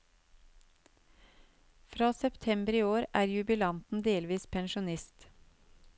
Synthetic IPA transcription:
fɾɑːsɛpt̪ʰɛmbəɾiːoːɾʔæːɾjʉbɪlɑnt̪n̩d̪eːlʋiːspʰɛnʃʊnɪst̪

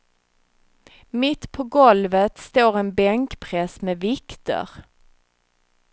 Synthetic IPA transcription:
mɪt̪ːpʰɔɡɔlvət̪st̪oːɾɛnbɛŋkpʰɾɛsmɛvɪkt̪ə̰ɾ

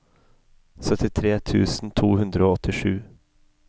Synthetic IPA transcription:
sœt̪ʰɪt̪ʰɾeːt̪ʰʉːsn̩t̪ʰuːhʉnd̪ɾəoːɔt̪ɪʂʉː

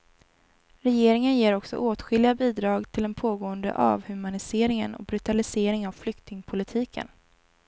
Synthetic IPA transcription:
ɾɛjeːɾɪŋənjeːɾɔksɔ̰ʔoːt̪ɧɪlɪabiːd̪ɾɑːɡt̪ʰɪlɛnpʰoːɡoːənd̪ə̰ʔa̰vhɵmanɪseːɾɪŋə̰nɔ̰bɾɵt̪alɪseːɾɪŋavflʏkt̪ɪŋpʰʊlɪt̪ʰiːkʰə̰n

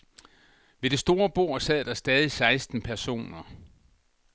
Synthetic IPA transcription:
ʋe̝ɾ̥e̝sd̥o̝ːɐb̥o̝ɐ̰sɛð̰ˠd̥ɑ̈sd̥ɛːð̞ˠisɑ̈ɪsd̥n̩pʰæɐso̝̰ːnɐ

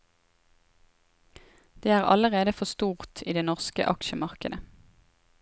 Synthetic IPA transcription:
d̪̥eːæːʁɑ̰ləʁeːd̪əfɔst̪uːʁt̪ʰiːd̪eːnɔʁskə̰ʔɑ̰kʃəmɑʁkəd̪ə

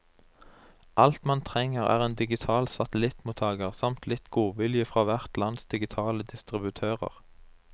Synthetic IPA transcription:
ʔɑlt̪mɑnt̪ʰʁɛŋəʁæ̰ːʁeːnd̪ɪɡɪt̪ʰɑːlsɑt̪əlɪt̪muːt̪ʰɑːɡəʁsɑmt̪lɪt̪ɡuːʋɪljəfʁɑːʋæʁt̪lɑnsd̪ɪɡɪt̪ʰɑːləd̪ɪst̪ʁɪbʉt̪ʰøːʁə̰ʁ

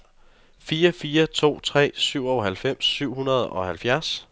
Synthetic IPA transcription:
fiːɐfiːɐt͡sʰo̝̰ːt͡sʰʁɛ̰ːsyʊ̰ɒɦælfem̰sːyʊ̰hunɐð̞ˠɒ̽hælfjæɐs

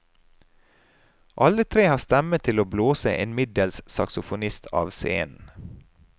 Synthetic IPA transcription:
ʔɑlət̪ʰɾeːhɑːst̪ɛmət̪ʰɪloːbloːsə̰ʔɪnmɪd̪əlssɑksʊfʊnɪst̪ʰɑ̰ːʋsḛːnn̩

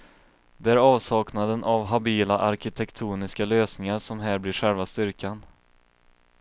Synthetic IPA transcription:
d̪ɛæːɾɑːvsɑːknad̪ənavɦabiːlaʔaɾkɪt̪ʰɛkt̪ʰuːnɪskaløːsnɪŋaɾsʂɔmɦæːɾblɪɧɛlvast̪ʏɾkan

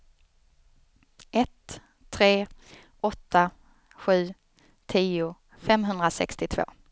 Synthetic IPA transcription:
ʔɛt̪ʰː | ɾeː | ɔt̪ʰːa | ɧʉ̟ː | t̪ʰiːʊ | fɛmɦɵnd̪ɾasɛ̰kst̪ɪt̪ʰv̥o̰ː

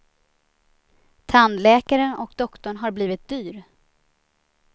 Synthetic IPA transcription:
t̪ʰand̪lɛːkaɾənɔkd̪ɔkt̪ɔɳɦaɾbliːvɪt̪̚d̪yːɾ

